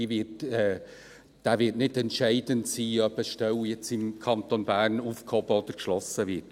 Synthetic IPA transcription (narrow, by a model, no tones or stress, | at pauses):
iːvɪtɛː | d̪̥æːʋɪːtnɪtɛntʃɛɪdəntsiːœbəsʃtɛwjɛt͡sɪmkʰɑnt̪onbæːɾnuːfkhɔbəɔd̥̪əɾkʃlɔsəʋɪt